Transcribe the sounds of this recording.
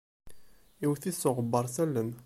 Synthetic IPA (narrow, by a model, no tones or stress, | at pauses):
iwθisːoʁəbːəɾˤsælːən